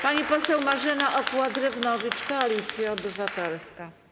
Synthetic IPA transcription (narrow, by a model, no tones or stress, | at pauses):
paɲipɔsɛwmaʐɘnaʔɔpwad̪ɾɛvnɔvʲit͡ʂkɔalʲit̪sʲjaɔbɘvat̪ɛlska